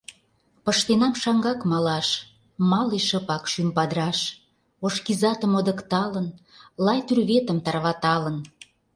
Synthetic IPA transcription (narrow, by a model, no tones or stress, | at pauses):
pəʃt̪enɑmʃɑŋɡɑkmɑlɑʃ | mɑleʃəpɑkʃympɑd̪ɾɑʃ | oʃkizɑt̪əmod̪ə̆kt̪ɑlənlɑjt̪yrβet̪ə̆mt̪ɑrβɑt̪ɑlən